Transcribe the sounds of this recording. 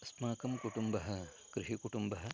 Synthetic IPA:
ɐsmaːkɐmkuʈumbɐɦɐ | kɾiʃikuʈumbɐɦɐ

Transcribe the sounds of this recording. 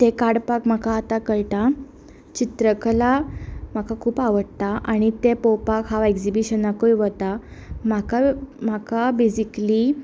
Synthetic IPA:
t̪ekaɽpakm̤akaːt̪akəɭʈa | t͡ɕit̪ɾəkəlam̤akakʰuːpaʋəɽt̪aʔaɽ̃it̪epowpakɦaʋekd͡zibiɕənakojʋət̪a | m̤akamakabed͡ʑikli

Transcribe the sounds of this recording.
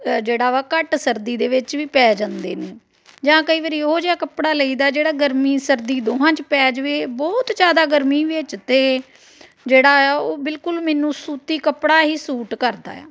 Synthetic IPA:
d͡ʒeːɽaːʋaːkəʈsəɾd̪iːd̪eːʋɪt͡ʃʋiːpɛːd͡ʒãːnd̪eːneː | d͡ʒãːkəiːʋəːɾiːoːd͡ʒeːaːkəpɽaːləiːd̪aːd͡ʒeːɽaːɡəɾmiːsəɾd̪iːd̪oːɦãːt͡ʃpɛːd͡ʒʋeːbɔːt̪d͡ʒaːd̪aːɡəɾmiːʋət͡ʃt̪eː | d͡ʒeːɽaːɛoːbɪlkʊlmɛːnũːsuːt̪iːkəpɽaːɦiːsuːʈkəɾd̪a̰ːɛ̰ː

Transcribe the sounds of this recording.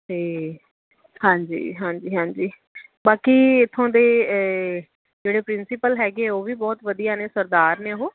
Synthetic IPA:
ɦeː | hãːɲd͡ʒḭːɦãːɲd͡ʒiːɦãːɲd͡ʒiː | baːkiːɪt̪ʰːõːd̪eː | d͡ʒeːɽeːpɾɪnsɪpəlɦɛːɡeːoːʋiːbɔːt̪ʋəd̪ijaːneːsəɾd̪aːɾneːɦoː

